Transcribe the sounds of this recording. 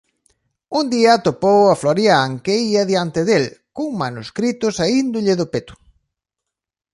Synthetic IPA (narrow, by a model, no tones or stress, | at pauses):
und̪iɐt̪opowɐfloɾjaŋkeiɐðjant̪ɪðelkoŋmanuskɾit̪ʊsaind̪ʊʎɪðʊpet̪ʊ̥